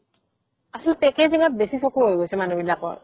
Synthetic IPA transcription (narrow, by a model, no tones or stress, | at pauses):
asɔlpɛkeziŋat̚besisɔkuɦojɡojsʰɛmanobilakɔ̰ɹ